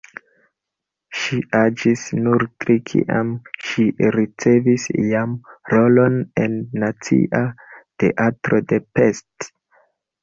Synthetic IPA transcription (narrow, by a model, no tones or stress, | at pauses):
ʃiʔad͡ʒisnuɾtɾikʰḭʔa̰mʃiɾit͡se̞visjamɾo̞lo̞ne̞nːat͡sḭʔate̞̰ʔatɾo̞de̞pe̞st